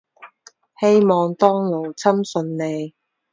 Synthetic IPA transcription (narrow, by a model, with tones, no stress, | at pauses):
he˥jmɔː˨ŋt̪ɔː˥ŋlo˨˩wt͡sʰɐ˥msɵ˨˧nne˨˧j